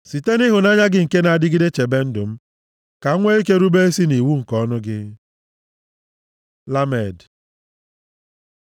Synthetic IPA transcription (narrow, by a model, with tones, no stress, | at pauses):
si˨te˦nɪ˦ɦʊ˨na˦ɲa˦ɡɪ˦ŋ̩˨ke˦na˨a˨dɪ˦ɡɪ˦de˦t͡ʃe˨be˦n̩˦dʊ˨m̩˦ | ka˨˦ŋʷe˦i˦ke˦ɾu˦be˦e˦si˦ni˨wu˦ŋ̩˨kɔ˦nʊ˦ɡɪ˦ | la˦me˨d